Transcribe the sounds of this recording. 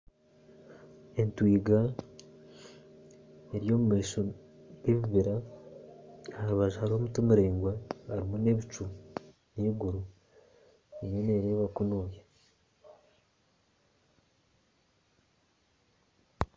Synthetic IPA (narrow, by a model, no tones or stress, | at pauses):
e̞ntwiːɡa | eɾijo̞ːmumeʃo | ɡeβiβiɾa | haɾuβaʒahaɾiomutumuɾeːŋɡwaaɾimone̞βit͡ʃu | niːɡuɾu | eɲoneːɾeːβakunoːja